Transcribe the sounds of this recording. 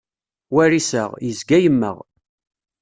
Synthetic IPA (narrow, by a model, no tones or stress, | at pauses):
wæɾisəʁjəzɡæjəmːə̰ʁ